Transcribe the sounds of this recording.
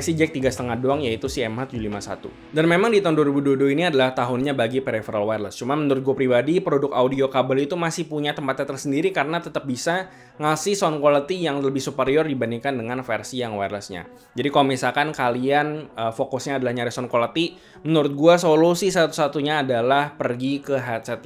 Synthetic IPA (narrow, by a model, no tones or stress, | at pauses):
sid͡ʒɛk̚t̪iɡasət̪əŋahdoaŋjait̪usiɛmhat̪ud͡ʒulimasa̰t̪ṵ | danmemaŋdit̪ɔndorbudodoiniadalaht̪aɦʊnɲabaɡipeɾefəɾalwarləst͡ʃumanmənuɾʊt̪̚ɡuapɾibadipəɾodʊkaudiokabalit̪umasɪhpuɲat̪əmpat̪ɛt̪ərsəndiɾikaɾənat̪ət̪əp̚bisa | ŋasɪhsɔnkolat̪ijaŋləbɪhsupəɾiʊrdibandiŋkandəŋanfersijaŋwarləsɲa̰ | d͡ʒadikaoomisalkankalianəfokʊsɲaːdalahɲaɾesɔnkolat̪i | mənuɾʊt̪̚ɡuasolusis̬at̪u̥sat̪uɲaːdalahpərɡikəɦat̪t͡ʃɛt̪